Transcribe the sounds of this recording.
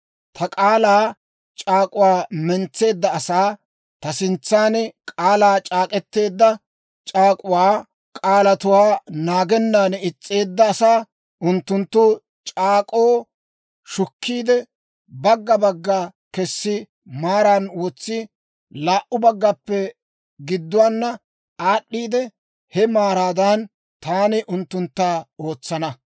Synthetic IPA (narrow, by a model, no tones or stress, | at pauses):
t̪ʰɐkʼaːlaː | t͡ʃʼaːkʼʊwaːmɛnt͡sːe̞ːd̪ːɐːsaː | t̪ɐsɪnt͡sːaːnɛkʼaːlaːt͡ʃʼaːkʼɛt̪ːe̞ːd̪ːɐ | t͡ʃʼaːkʼʊwaː | kʼaːlɐt̪ʊwaːnaːɡɛnːaːnɛɪt͡sʼːe̞ːd̪ːɐːsaː | ʔʊnt̪ːʊnt̪ːʊ | t͡ʃʼaːkʼo̞ː | ʃʊkːiːd̪ɛ | bɐɡːɐbɐɡːaːkɛsːɪ | maːɾanwɔt͡sːɪ | laːʔʊbɐɡːɐpːɛ | ɡɪd̪ːʊwaːnːɐ | aːɗːiːd̪ɛ | hɛmaːɾaːd̪ɐn | t̪aːnɛʔʊnt̪ːʊnt̪ːaːo̞ːt͡sːɐnɐ